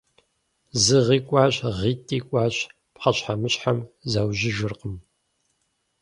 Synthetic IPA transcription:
zɨʁiːkʷʼɑːɕʁiːtʼiːkʷʼaːɕ | pχɐɕħamɨɕħamzɐwʒɪʒɪrqəm

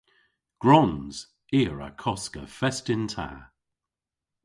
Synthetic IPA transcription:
ɡ̥ɹɔnz̥ | iːəɹa̰kʰɔskəfɛstɪntʰa̰ː

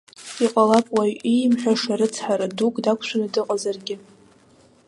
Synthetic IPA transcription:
iqʼalapʼwajʔijmħʷᶣaʂaɾɨt͡sʰħaɾadukʼdakʷʰʃʷʰanadɨqʼazarɡʲɪ

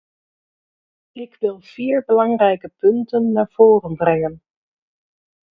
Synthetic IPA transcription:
ɪkʋɪlˠv̥iːɹbəlɑŋrɛjkəpɵntənːaːɹv̥oːrənbrɛŋən

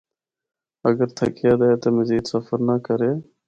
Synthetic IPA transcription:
əɡəɾt̪ʰəkʰɪjaːd̪aeːt̪oːməziːd̪səfəɾnaːkəɾeː

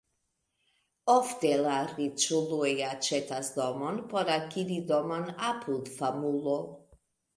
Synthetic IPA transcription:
ɔfd̪ɛlaɾit͡ʃuluejat͡ʃɛt̪asd̪ɔmɔnpɔɾakid̪id̪ɔmɔnapʰulˠfamulˠɔ

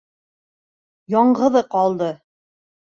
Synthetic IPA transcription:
jɒɴʁɤ̆ðɤqɒlˠd̪ɤ

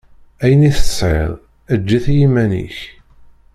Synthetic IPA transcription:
æjəniθə̥sˤʕḛðˤ | æd͡ʒːæθjimːænḭç

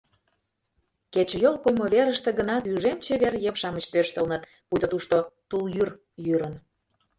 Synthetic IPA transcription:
ket͡ɕjolˠpojmoβeɾəʃt̪ĕɡənɑt̪yʒemt͡ɕeβerjepʃɑmət͡ɕt̪øʃt̪əlnət̪ | pujd̪ot̪uʃt̪ot̪uljyr | jyɾən

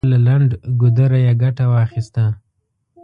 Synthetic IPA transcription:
lalaɳɖɡʊd̪əɾajaɡaʈawɑxist̪a

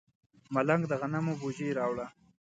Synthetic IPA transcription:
malaŋɡd̪əɣanamobod͡ʒeɾɑwɽa

